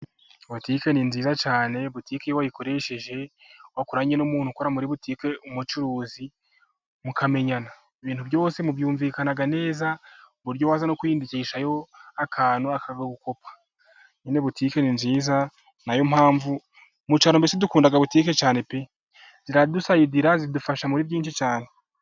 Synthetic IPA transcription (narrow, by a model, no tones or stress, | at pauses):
watike̞ninziːzat͡ʃaːne̞βutiːkejowajiko̞ɾe̞ʃe̞ʒe̞ | wakuɾaːɲenomuːn̥hukoɾamuɾiβutiːke̞umut͡ʃuɾuːzi | mukʰame̞ɲana | iβiːnhubjo̞ːse̞muβjuːɱviːkanaɡane̞ːza | βuɾɟowaːzanokuiːndiciːʃajo̞akʰaːnuakʰaɡoβuko̞pʰḁ | ɲineβutiːke̞ninziːza | najo̞m̥haːɱvu | mut͡ʃaːɾombesedukuːndaɡaβutiːke̞t͡ʃaːne̞pe | z̥iɾadusajidiɾazidufaʃamuɾiβjiːnʃit͡ʃaːne̞